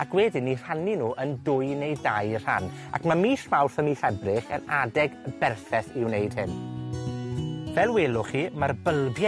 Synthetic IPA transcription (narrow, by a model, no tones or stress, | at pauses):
akʰwɛdɪnir̥aninuːʔəndʊjnejdajr̥a̰n | a̰kʰmamiːɬmawθəmiːθɛbrɪχə̰nadɛɡbɛrθɛθɪwnejd̥̚hɪn | vɛlˠweːlˠʊχiːmarbəlˠbja